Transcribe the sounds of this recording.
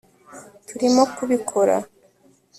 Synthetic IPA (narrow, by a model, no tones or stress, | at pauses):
tuɾimo̞kuβikʰo̞ɾa̰